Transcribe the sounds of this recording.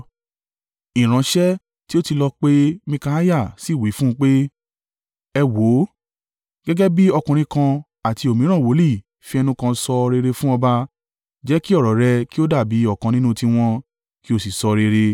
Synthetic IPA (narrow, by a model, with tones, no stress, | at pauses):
ĩ˨ɾ̃ã˨˧ʃɛ˦ | ti˦o˦ti˧lɔ˧k͡pe˦mĩ˧ka˧a˦ja˦˨si˨˦˨wi˨˦fũ˦˧k͡pe˦ | ɛ˧wo˨˦ | ɡ̥ɛ˦ɡɛ˦bi˦ɔ˧kũ˨ɾ̃ĩ˧kã˧ | a˨ti˧o˨mĩ˨˦ɾ̃ã˦˨wo˨˦li˦˨ | fi˧˦ɛ˧nũ˦kã˧sɔ˧ɾe˧ɾe˧fũ˦ɔ˧ba˧ | d͡ʒɛ˨˦ki˦ɔ˦˨ɾɔ˨ɾɛ˧ki˦o˦da˦˨bi˨˦ɔ˦˨kã˨˧nĩ˦nũ˦ti˧w̃ɔ̃˧ | ki˦o˦˨si˨sɔ˧ɾe˧ɾe˧